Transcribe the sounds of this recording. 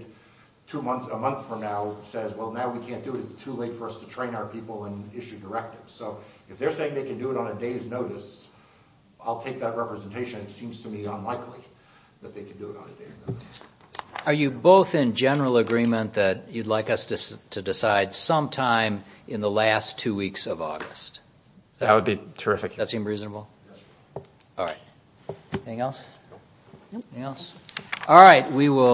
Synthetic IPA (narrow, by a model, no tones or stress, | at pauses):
tʰumʌ̃nəmʌ̃nθfɹʌ̃mnaʊsɛzwɛlˠnaʊwikʰæ̃nd̥ɨɨɾɨtstʰuleɪtfə˞ʌstʰɨtʰɹ̥ẽɪ̃naʊə˞pʰipl̩ˠə̃nɪʃʉdə˞ɛk̚tɨvz̥soʊɨfðə˞seɪɪ̃ŋðeɪkɨ̃n̩dɨːɾn̩ɨdeɪznoʊɾɨs | aɪlˠtʰeɪk̚ðət̚ɹɛpɹɨzɨ̃n̩tʰeɪʃɨ̃nɨtsĩmz̥tʰɨmiə̃nlaɪkʰli | ðɨt̪̚ðeɪkʰn̩dɨɪɾn̩ɨdeɪznoʊɾs | ə˞jɨboʊθɪ̃nd͡ʒɛnə˞l̩ˠəɡɹĩmɨ̃nðɨt͡ʃɨdˡlaɪkʌstɨstʰɨdɨsaɪd̥sʌ̃mtʰãɪ̃mʔɨ̃nðəlæstʰʉwiksʌvɔ̰ɡɨst̚ | ðɨæt̚wəd̚bitʰə˞ɪfɨkðɨtsĩmdɹiznəbl̩ˠ | ɔlˠɹaɪt̚ | iθɪ̃ŋɛlˠs | θŋɛlˠsɔlˠɹaɪt̚wiwɪ